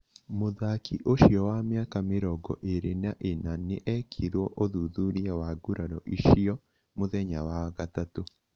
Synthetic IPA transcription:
moðakiʔoʃjɔwamjaːkamɪɾɔɡɔʔeɾenaʔenaneʔɛkʰiɾwɔʔoðuðuɾiawaɡuɾanɔʔiʃiɔ | moðɛɲa̰waɣatato

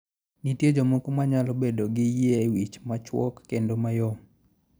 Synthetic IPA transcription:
nitjed͡ʒomokomaɲalobedoɡɪjewit͡ʃmat͡ʃwɔ̰kːendomajo

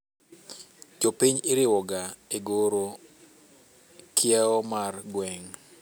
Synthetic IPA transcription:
t͡ʃopiɲɪɾɪwɔɡaeɡoɾo | kʰɪɛɔmarɡwɛŋ

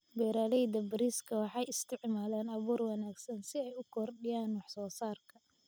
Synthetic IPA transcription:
bɛːɾaːlɛjd̪ɐbɪɾiːskʰɐwɑħɑjɪst̪ʰɪʕmaːlaːnɐβuːrwɑnaːɡsɐnsɪɛjʊkʰɔrɗɪjaːnwɑħsɔːsaːrkʰɐ

